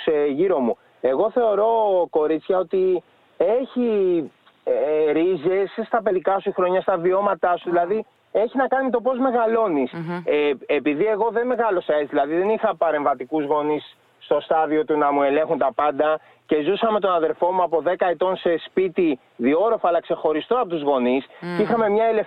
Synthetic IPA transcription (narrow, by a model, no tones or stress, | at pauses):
seʝiɾo̞mu | e̞ɣo̞θe̞o̞ɾo̞ko̞ɾit͡sçɐo̞t̪i | eçi | ɾize̞sst̪ɐpe̞likɐsuxɾo̞ɲɐst̪ɐvio̞mɐt̪ɐsuðilɐði | e̞çinɐkɐnime̞t̪o̞po̞zme̞ɣɐlo̞nis | epiðie̞ɣo̞ðe̞me̞ɣɐlo̞sɐezðilɐðiðe̞nixɐpɐɾe̞ɱvɐt̪ikuzɣo̞nisː | t̪o̞st̪ɐðio̞t̪unɐmue̞lẽ̞ŋxunt̪ɐpɐnd̪ɐ | ce̞zusɐme̞t̪o̞nɐðe̞ɾfo̞muɐpo̞ðe̞kɐet̪o̞nse̞spit̪i | ðio̞ɾo̞fɐlɐkse̞xo̞ɾist̪o̞ɐpot̪uzɣo̞niscixɐme̞mɲɐelef